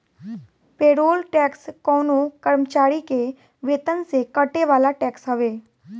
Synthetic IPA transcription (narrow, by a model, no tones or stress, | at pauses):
peːɾoːlʈɛːkskɔːnokəɾmt͡ʃaːɾike | ʋeːt̪ənsekəʈeʋaːlaʈɛːksɦɐʋeː